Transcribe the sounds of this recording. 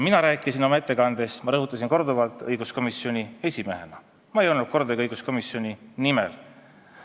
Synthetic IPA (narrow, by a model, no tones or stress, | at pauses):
minɑɾæːkːˑisino̞mɑe̞t̪ːˑe̞kɑnd̪̥e̞smɑɾɤɦut̪ˑːɑs̬inko̞rd̪uvɑlt̪ˑɤjɡusko̞misjo̞nʲie̞sʲime̞ɦe̞̰nɑ | mɑejo̞lnud̪̥̚ko̞rd̪eɡɤjɡusko̞miso̞nʲinimḛl